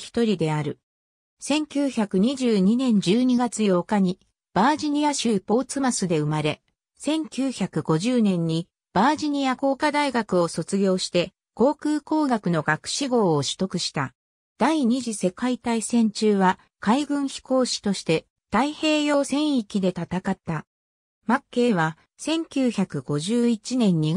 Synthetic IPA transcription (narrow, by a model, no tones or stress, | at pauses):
çi̥t̪o̞ɾʲid̪e̞aɾɯ̟ | sẽ̞ŋkʲɨːçakɯ̟ɲ̟iʑɨːɲ̟inẽ̞ɲ̟d͡ʑɨːɲ̟iɡat͡sɨjo̞ːkaɲ̟i | b̥aːʑiɲ̟ijaɕɨipo̞ːt͡sɨmasɨd̪e̞ɯ̟maɾe̞ | sẽ̞ŋkʲɨːçakɯ̟ɡo̞ʑɨːnẽ̞ɲ̟ːi | b̥aːʑiɲ̟iako̞ːkad̪aiɡakɯ̟o̞so̞t͡sɨɡʲo̞ːɕi̥t̪e̞ | ko̞ːkɯːko̞ːɡakɯ̟no̞ɡakɯ̟̥ɕiɡo̞ːɕɨ̥t̪o̞kɯ̟ɕi̥t̪a | d̪̥aiɲ̟iʑise̞kait̪aisẽ̞ɲ̟t͡ɕɨːβa | kaiɡɯ̟̃ɰ̃çi̥ko̞ːɕi̥t̪o̞ɕi̥t̪e̞ | t̪aihe̞ːjo̞ːsẽ̞ɰ̃ikʲid̪e̞t̪at̪akat̪ːa | makːe̞ːβ̞a | sẽ̞ŋkʲɨːçakɯ̟ɡ̥o̞ʑɨːit͡ɕinẽ̞ɲ̟ːi